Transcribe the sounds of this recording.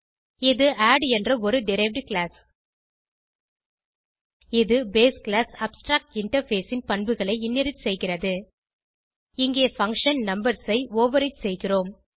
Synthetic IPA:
ɪðɯʔaːɖɛndrɐɔɾɯɖɪɾɐɪʋɖkɭaːs | ɪðɯbeːskɭaːsɐpsʈɾaːk̚ʈɪɳʈɐɾfeːsɪnpɐɳbɯɣɐɭɐɪɪnːɛɾɪt͡ʃsɛjɣɪrɐðɯ | ɪŋɡeːfɐŋkʂɐnnɐmbɐɾsɐɪoːʋɐɾɐɪt͡ʃsɛjɣɪroːm

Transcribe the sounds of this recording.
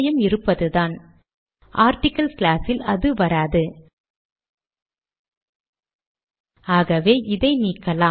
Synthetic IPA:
jɐmɪɾɯpːɐðɯðaːn | ʔaːɾʈɪkːɐlsklaːsɪlɐðɯʋɐɾaːðɯ | aːɣɐʋeːʔɪðɐɪniːkːɐlaː

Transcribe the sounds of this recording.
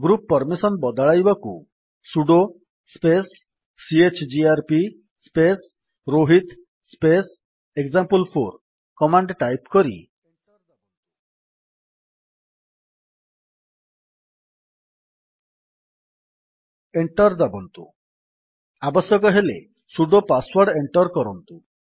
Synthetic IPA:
ɡɾupːɔɾmisɔnbɔd̪ɔɭajbakṵ | suɖo | spesː | iet͡ʃd͡ʒiaɾpi | spes | ɾoɦit̪ | spes | ekzampulpʰoɾ | kɔmaɳɖʈajpkɔɾḭ | eɳʈɔɾd̪abɔnt̪ṵ | abɔsjɔkɔɦelḛ | suɖopaswaɾɖeɳʈɔɾkɔɾɔnt̪u

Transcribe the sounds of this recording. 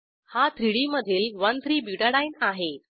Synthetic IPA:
hat̪ʰɾiɽiməd̪ʱiːlʋənt̪ʰɾiːbiʈaɽainaɦe

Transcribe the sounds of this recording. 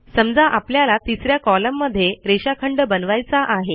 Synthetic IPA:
səmd͡zaʔapljalat̪isɾjakɔləmːəd̪ʱːjeɾeɕakʰəɳɖbənʋajt͡saʔaɦe

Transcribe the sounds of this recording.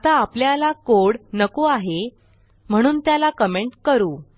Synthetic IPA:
t̪aːpljalakoɽnəkoaɦe | m̤əɽ̃uːnt̪jalakəmeɳʈkəɾuː

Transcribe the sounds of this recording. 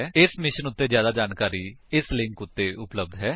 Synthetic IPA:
ɪsmɪʃənʊt̪ːeːzjaːd̪aːd͡ʒaːnkaːɾiːɪslɪ̃ŋkʊt̪ːeːʔʊpləb̚d̪ɦɛː

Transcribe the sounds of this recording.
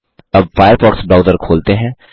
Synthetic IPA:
ɐbfaːjəɾpɔːksbɾaːʊzəɾkʰoːlt̪eɦɛ̃ː

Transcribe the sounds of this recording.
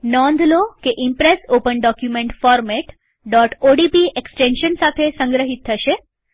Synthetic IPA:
nɔ̃nd̪ʱlokeʔɪmpɾesopənɖɔkjumẽɳʈfɔɾmeʈ | ɖɔʈoɖipieksʈẽnʃənsat̪ʰesə̃ŋɡɾəɦit̪̚tʰːəʃe

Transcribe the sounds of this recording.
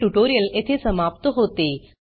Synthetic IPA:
ʈuʈoːɾijɐlet̪ʰesɐmaːp̚t̪oɦoːt̪eː

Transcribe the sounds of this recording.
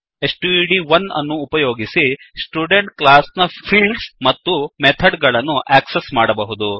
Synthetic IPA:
esʈuiɖiʋɐnɐ̰nːuːpɐjoːɡisisʈjuːɖeɳʈ̚klaːsnɐpʰiːlɖsmɐt̪ːumet̪ʰɐɖɡɐɭɐnːuʔæːksesmaːɽɐbɐɦud̪u

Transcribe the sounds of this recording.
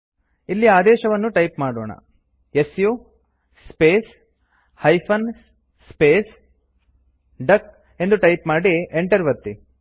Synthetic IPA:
ilːiaːd̪ɛːʃɐʋɐnːuʈɐjpmaːɽoːɳɐ̰ | esju | speːs | hɐjpʰɐn | speːs | ɖɐk | e̞nd̪uʈɐjpmaːɽieɳʈɐɾʋɐt̪ːi

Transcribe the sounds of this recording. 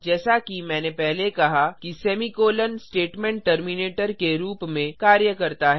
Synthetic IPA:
d͡ʒɛːsakimɛ̃ːnepɛɦlekɐɦakisɛːmikoːlənsʈeːʈmɛ̃ːɳʈʈɐɾmineːʈəɾkeɾuːpmẽkaːɾjəkɐɾt̪aɦɛː

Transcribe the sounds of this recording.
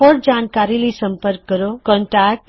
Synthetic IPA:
ɔɾd͡ʒaːnkaːɾilisəmpəɾkːəɾokɔ̃ːɳʈak̚ʈ

